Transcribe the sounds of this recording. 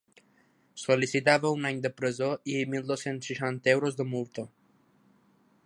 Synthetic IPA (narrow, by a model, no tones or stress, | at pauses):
solisit̪aβəunaɲd̪əpɾəzoimilˠd̪osensʃəʃant̪əɛwɾozd̪əmulˠt̪o